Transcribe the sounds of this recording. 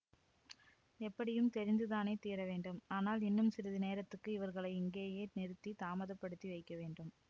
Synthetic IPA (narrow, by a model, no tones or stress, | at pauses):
ɛpːɐɽɪjɯmt̪ɛɾɪnd̪ɯðaːneːt̪iːɾɐʋeːɳɖɯmaːnaːlɪnːɯmsɪɾɐðɯneːɾɐt̪ːɯkːɯɪʋɐɾɣɐɭɐɪɪŋɡeːjeːnɛɾɯt̪ːit̪aːmɐðɐpːɐɽɯt̪ːiʋɐɪkːɐʋeːɳɖɯm